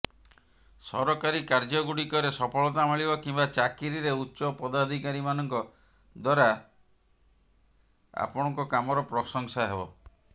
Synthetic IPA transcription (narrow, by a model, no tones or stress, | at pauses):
sɔɾɔkaɾikaɾd͡ʒɔɡuɽikɔɾesɔpʰɔɭɔt̪amiɭibɔkimbat͡ʃakiɾiɾeutːʃɔpɔd̪ad̪ʱikaɾimanɔŋkɔ | d̪waɾa | a̰pɔɽ̃ɔŋkɔkamɔɾɔpɾɔsɔŋsaɦebɔ